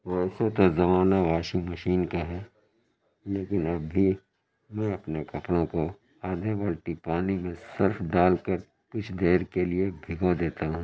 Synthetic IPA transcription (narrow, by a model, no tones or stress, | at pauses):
ʋosot̪ozɐmaːnaʋaːʃimɐʃiːnkaɦɛː | leːkɪnɐbːi | mɛ̃ɐpnekɐpɽõko | aːd̪ʱeʋəlʈipaːnimẽsɪɾfɖaːlkəɾ | kʊt͡ʃʰd̪eːɾkeliebʱɪɡad̪eːt̪aɦũː